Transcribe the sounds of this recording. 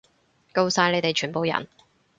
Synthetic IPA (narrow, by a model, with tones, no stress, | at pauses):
ko˧wsaː˨˧jne˨˧jt̪e˨jt͡ʃʰyː˨˩npo˨wjɐ̰˨˩n